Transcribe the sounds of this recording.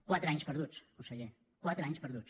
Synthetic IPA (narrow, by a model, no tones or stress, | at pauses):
kwat̪ɾaɲʃpɐɾðut̪sosɛʒɛ | kwat̪ɾaɲʃpɐɾðut̪